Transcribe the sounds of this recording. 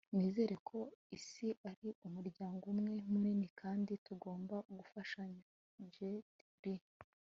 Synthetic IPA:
niːze̞ːɾe̞kʰo̞isiʔaɾiumuɾɟaːŋɡumŋe̞muɾinikʰaːndituɡo̞ːmbaʔuɡufaʃaɲa | ɲd͡ʒetibi

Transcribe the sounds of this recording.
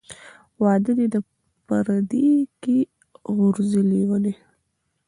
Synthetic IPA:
wɑd̪əd̪ed̪ə | pəɾad̪iki | ɣʊɾziliwane

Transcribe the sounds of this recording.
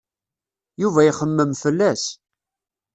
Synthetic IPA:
juvæjχəmːəmfəlːæs

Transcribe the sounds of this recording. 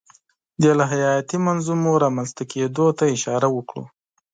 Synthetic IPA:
d̪elaɦajɑjat̪imanzumoɾɑmanst̪aked̪ot̪aɪʃɑɾawəkɽo̰

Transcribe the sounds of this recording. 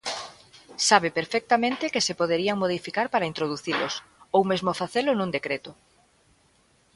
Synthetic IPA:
saβepeɾfɛk̚t̪amẽnt̪ɪkɪsepoð̞eɾiaŋmoð̞ifikaɾpaɾaint̪ɾoð̞uθilo̰sowmezmofaθelʊnũŋd̪ekɾet̪ʊ

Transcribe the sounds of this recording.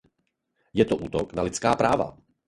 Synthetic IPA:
jɛt̪oʔuːt̪oknalɪt͡skaːpɾaːva̰

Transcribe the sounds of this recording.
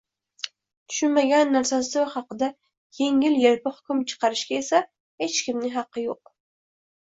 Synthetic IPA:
t̪ʰʊ̥ʃʊnmaɡʲanːaɾsasɪhɑqɨd̪a | jʰeŋɪljeɾpɪhʊ̥kʲʊmt͡ʃʰɨ̥qʰɑɾɪʃkʲaesa | het͡ʃkʲɪmnɪɦɑqːɨjoq̚

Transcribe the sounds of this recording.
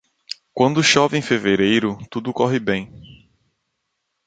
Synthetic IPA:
kwɐ̃nd̪ʊʃɔviẽj̃feveɾejɾʊt̪ud̪ʊkɔɦɪbẽj̃

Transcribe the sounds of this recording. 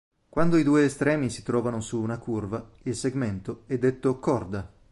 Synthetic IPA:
kwand̪oid̪uːeːst̪ɾɛːmisi̥t̪ɾɔːvanosuːnakurva | ilseɡment̪oɛd̪ːet̪ːokɔrd̪a

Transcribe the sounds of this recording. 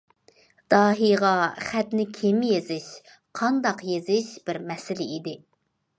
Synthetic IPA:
d̪̥ɑːɦijʁɑχæt̪nɪkʲʰemjezɪʃ | qʰɑnd̪ɑqjezɪʃb̥ɪɾmɛsɪlɪid̪ɪ

